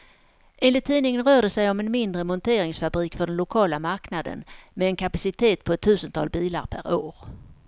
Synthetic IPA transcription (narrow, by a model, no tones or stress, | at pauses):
ʔɛːnlɪt̪ʰːiːnɪŋənɾœːɖəsɛjɔmɛnmɪnd̪ɾəmɔnt̪ʰeːɾɪŋsfabɾiːkfœɖɛnlʊkʰɑːlamaɾknad̪ə̰nmɛːnkʰapasɪt̪ʰeːt̪̚pʰɔɛt̪ʰːʉ̟ːsənt̪ʰɑ̰lbiːla̰ɾpʰæ̰ɾoːɾ